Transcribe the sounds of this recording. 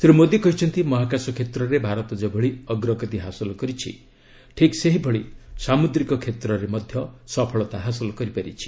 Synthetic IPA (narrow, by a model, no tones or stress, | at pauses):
sɾumod̪ekɔɦit͡ʃʰɔnt̪imɔɦakasɔkʰet̪ɾɔɾebʱaɾɔt̪ɔd͡ʒebʱɔɭiɔɡɾɔkɔt̪iɦasɔlɔkɔɾit͡ʃʰḭ | ʈʰikseɦibʱɔɭisamud̪ɾikɔkʰet̪ɾɔɾemɔd̪ʱjɔsɔpʰɔɭɔt̪aɦasɔlɔkɔɾipaɾḭt͡ʃʰi̥